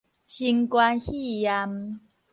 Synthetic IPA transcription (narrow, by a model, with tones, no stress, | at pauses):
ɕi˧ŋkwa˧nhi˥˨ja˧m